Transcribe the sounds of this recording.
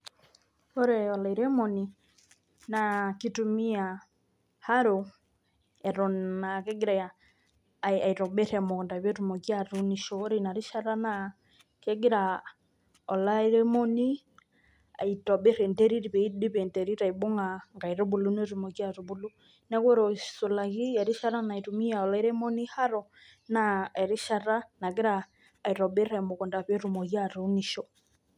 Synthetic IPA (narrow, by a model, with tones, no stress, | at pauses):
hɔ˦ɾɛ˨ɔ˨la˨i˨ɾɛ˦mɔ˨ni˨ | na˨ki˦tu˧mi˦a˨ | ha˦ɾo˨ | ɛ˨ɾɔ˨na˨kɛ˦ɡi˦ɾa˨ja˨ | a˨i˨tɔ˨bɛ˦ɾɛ˨mɔ˨kɔ˨nda˨βjɛ˦tu˨mɔ˨ki˦a˨ɾu˦ni˨ʃɔ˨˦ɾe˨na˨ɾi˦ʃa˦ɾa˦na | kɛ˦ɡi˦ɾa | ɔ˨la˦i˦ɾɛ˦mɔ˦ni˦ | a̰˨itɔ˨ɓe˦ɾɛ˨ndɛ˦ɾi˦ɾi˨βɛ˨i˦di˦βe˨ntɛ˨ɾi˦ɾa˨i˨bo˦ŋa˨ŋɡa˨iɾu˦βu˨lu˦ne˦ɾu˨mɔ˨kja˦ɾu˨βu˨lu˦ | nɛ˦ko˦ɾo˨so˨la˨ɣi˦ɛ˨ɾi˦ʃa˦ɾa˦na˨i˨ɾumi˦ja˨ɔ˨la˦i˦ɾɛ˦mɔ˦ni˦ha˦ɾɔ | na˨ɛ˨ɾi˦ʃa˦ɾa˦na˨ki˦ɾaː˨ | i˨ɾɔ˨ɓe˦ɾɛ˨mo˨kɔ˨nda˨βe˦ɾu˨mɔ˨kja˦ɾuni˨ʃɔ